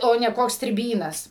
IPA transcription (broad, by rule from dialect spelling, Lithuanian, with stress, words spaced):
ˈoː nʲɛ ˈkoːks sʲtʲrʲɪˈbʲiːnɐs